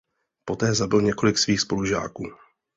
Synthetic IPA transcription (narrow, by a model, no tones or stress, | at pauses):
po̞t̪ɛːzabɪlɲɛko̞lɪksviːxspo̞luʒa̰ːkuː